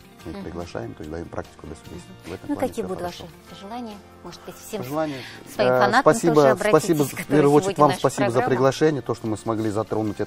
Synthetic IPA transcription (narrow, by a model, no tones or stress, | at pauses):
mɨpɾʲɪɡlˠɐʂa̰jɪmt̪ojsʲd̪ɐjompɾa̰k̚tʲɪ̥kʊd̪lʲəsʲʊbʲest̪ʲvɛt̪əmnˠkɐkʲijəbud̪vaʂɨpəʐɨlˠanʲɪjə | moʐɨd̪bɨtʲfsʲeʐɨlˠanʲɪjsvɐifɐnst̪pɐsʲibəspɐsʲibəfpʲervəjəot͡ɕɪɾɪt̪ʲvamspɐsʲibəzəpɾʲɪɡlˠɐʂɛnʲɪjət̪o̞ʂt̪omɨsmɐɡlʲizɐt̪ɾo̞nʊtʲɛ